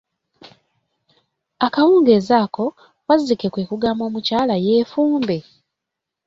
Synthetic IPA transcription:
akawuːŋɡe̞ːzaːko̞ | wazike̞kwe̞ːkuɡaːmo̞ːmucaːlaje̞ːfuːmbe̞

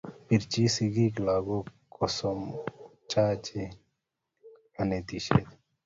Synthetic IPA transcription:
piɾt͡ʃisiɡiklaːɡo | kɔsɔmt͡ʃaːt͡ʃe | ɐnet̪iʃḛt̪

